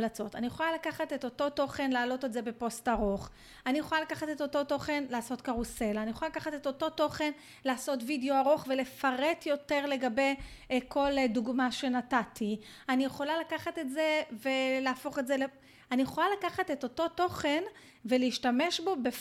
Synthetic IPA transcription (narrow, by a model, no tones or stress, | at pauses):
lat͡so̞tanijeχolalakaχate̞to̞to̞to̞χe̞nlaːlo̞tetze̞be̞po̞staʁo̞χ | anijeχolalakaχate̞t̪o̞to̞to̞χe̞nlaːso̞t̪kaʁuse̞laːnijeχoalakaχateto̞to̞to̞χe̞n | laːso̞tvideo̞aʁo̞χve̞le̞faʁe̞tjo̞te̞ʁle̞ɡabe̞jkʰo̞lduɡmaʃe̞natatianijeχo̞lalakaχate̞tzeve̞leafo̞χezele | anijeχo̞lalakaχate̞to̞to̞to̞χe̞n | ve̞leiʃtame̞ʃbo̞be